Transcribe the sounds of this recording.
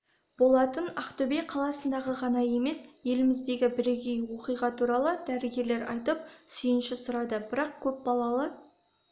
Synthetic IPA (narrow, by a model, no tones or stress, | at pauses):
b̥o̞lˠɑt̪ənɑqt̪ʊbeqʰɑlˠɑsənd̪ɑʁəʁɑnɑje̞me̞sje̞lɪmɪzd̪e̞ɡʲɪbɪɾeɡʲejwo̞qijʁɑt̪ʰuɾɑlˠəd̪æɾɪɡʲe̞ɾle̞ɾɑ̰jt̪əp̚sʏjɪnʃɪsʊɾɑd̪əbɪɾɑq̚kʲʰɵp̚bɑlˠɑlˠɑ